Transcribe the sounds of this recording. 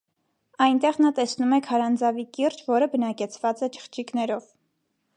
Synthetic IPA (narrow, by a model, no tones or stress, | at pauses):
ɑjnt̪ɛʁnɑt̪ɛsnumɛkʰhɑɾɑnd͡zɑvikird͡ʒvɔɾəbənɑkɛt͡sʰvɑt͡sɛt͡ʃʰə̥χt͡ʃʰiknɛɾɔv